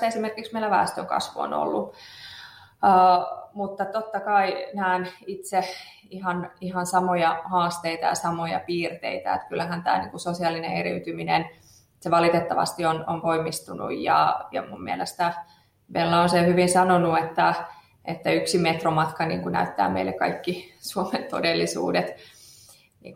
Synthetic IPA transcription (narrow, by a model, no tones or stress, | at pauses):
esimerkiksmeilæʋæ̰ːst̪øŋkɑ̰sʋuo̰no̰lːu | əːmut̪ːɑt̪ot̪ːɑkɑinæːnit̪se | ihɑnihɑnsɑmojɑhɑːst̪eit̪ɑ̰jɑ̰sɑmojɑ̰piːrt̪ḛit̪æ̰ḛt̪kylːæhænt̪æ̰ːnḭːŋkusosiɑlinḛ̃eɾit̪yminḛn | seʋɑlit̪et̪ːɑʋɑ̰st̪iononkoimːist̪unṵjjɑ̰jɑ̰mummielest̪æ | ʋelːæonsehyʋinsɑnonuet̪ːæ | et̪ːæyksimet̪romɑt̪kɑnḭːŋkunæ̰yt̪ːæ̰ːmḛilːḛkɑ̰ikːisuoment̪o̰delːisṵːdet̪ | nḭːŋk